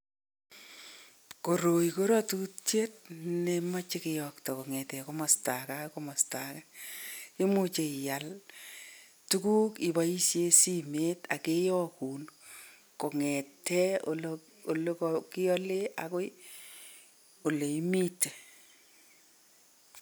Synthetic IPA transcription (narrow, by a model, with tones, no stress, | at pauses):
ko˨ɾo˨iko˦ɾɔ˦tutje˦t̚nema˦t͡ʃɪ˦kɪjɔktɔ˨ko˨ŋɛ˨tɛ˨ko˦ma˨sta˨ka˦komɔ˨sta˨ka˦je˦mu˦t͡ʃe˨ja˨l | tu˦kuː˦ki˨ba˦i˦sje˦si˦me˦ta˨ke˦jɔ˦ku˨n | ko˨ŋɛ˨tːɛ˦o | o˨lo˦kkɪ˦jɔle˦a̰ko˦j | o˨le˨i˦mi˦te˨